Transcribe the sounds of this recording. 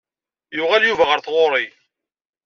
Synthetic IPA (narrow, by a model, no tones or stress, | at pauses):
jʊʁaljuvæʁəɾθʁoɾˤi